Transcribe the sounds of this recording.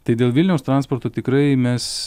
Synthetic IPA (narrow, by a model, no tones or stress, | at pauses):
t̪ɐɪd̪ʲeːlˠʋʲɪlʲnʲɛʊst̪ɾɑːnspoɾt̪oːt̪ʲɪkɾɐɪmʲɛs